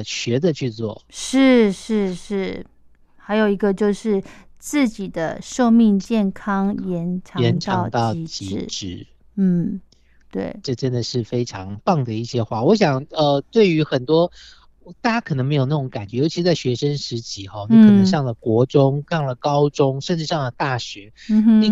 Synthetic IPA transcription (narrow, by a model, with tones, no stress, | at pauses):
ɕɥɛ˨˧˥d̪ə˧t͡ɕʰy˥˧t͡swɔ̰˥˩ʂɻ̩˥˩ʂɻ̩˥˩ʂɻ̩˥˩ | xa˧˥ɪjo˨˩ʊi˧˥ɡə˧t͡ɕjo˥˧ʊʂɻ̩˥˧t͡sɹ̩˥˩t͡ɕi˨˩d̪ə˦ʂo˥˧ʊmi˥˧ŋt͡ɕjɛ˥˩nkʰɑ˥ŋjɛ˧˥nʈ͡ʂʰɑ˧˨ɛ˧˥nʈ͡ʂ̪ʰɑ˧˥˧ʊt̪ɑ˥˩ʊ˧˥t͡ɕi˧˥˨ʈ͡ʂɻ̩˨˩ | n̩˥˩ | t̪wḛ˥˩ɪʈ͡ʂɤ˥˩ʈ͡ʂə˦nd̪ə˨ʂɻ̩˥˩fe˥ɪʈ͡ʂʰɑ˧˦ŋpɑ˥˩ŋd̪ə˩i˥˩ɕjɛ˥xwa˥˩wɔ˧˦ɕ̬jɑ˨˩ŋə˧t̪we˥˩ɪy˧˥xə˨˩nt̪wɔ˥ | t̪a˥˩t͡ɕa˥kʰɤ˨˩nə˧˦ŋme˧˥jo˨˩na˥˩ʈ͡ʂo˧˦ŋka˨˩nt͡ɕɥɛ˧˥jo˧˥t͡ɕʰi˧˥ʂ̩ɻ̩˧˥t͡sa˥˩ɕɥɛ˧˥ʂə˥nʂɻ̩˧˥t͡ɕi˧˥xɔ˧ni˨˥kʰnə˧˦ŋʂɑ˥˩ŋlə˩kwɔ˧˥ʈ͡ʂʊ˥ŋʂɑ˥˩ŋlə˩kɑ˦˥ʊʈ͡ʂʊ˥ŋʂə˥˧nʈ͡ʂɻ̩˥˧ʂɑ˥˩ŋlə˩t̪a˥˩ɕɥɛ˧˥˩i˥˧